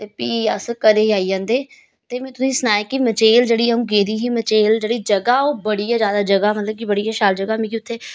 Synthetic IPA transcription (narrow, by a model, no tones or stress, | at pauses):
t̪eːpiːaskəɾeːaːiːd͡ʒãːnd̪eː | t̪eːmɛ̃ːt̪ʊsĩːsənaːekɪmət͡ʃeːld͡ʒeːɽiːəɦũːɡeːd̪iːɦĩmət͡ʃeːld͡ʒeːɽiːd͡ʒəɡaːoːbəɽijaːzjaːd̪aːd͡ʒəɡaːmət̪ləb̚kibəɽijaːʃaːld͡ʒəɡaːmẽːkiʊt̪ʰːeː